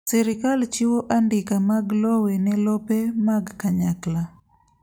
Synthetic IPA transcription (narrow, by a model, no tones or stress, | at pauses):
sɛɾɪkalt͡ʃiwoʔandɪkamaɡlɔwɛnɛlɔpɛmaɡkaɲakla